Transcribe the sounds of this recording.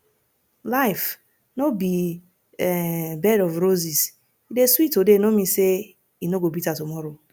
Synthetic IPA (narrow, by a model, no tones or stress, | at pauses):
laɪf | nobi | bɛdɔvɾozis | ideswitodenomise | inoɡobitatomɔɾo